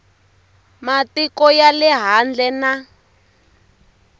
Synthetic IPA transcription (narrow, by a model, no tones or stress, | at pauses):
matikɔjalɛɦand͡ɮɛna